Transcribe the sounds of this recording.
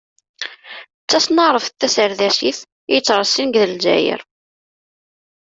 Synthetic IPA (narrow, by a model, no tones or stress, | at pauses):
t͡sːæsnəʁˤəfθːæsəɾðæsiθ | jət͡sːɾˤɑsːinɡðəld͡ʒæ̰jə̰ɾ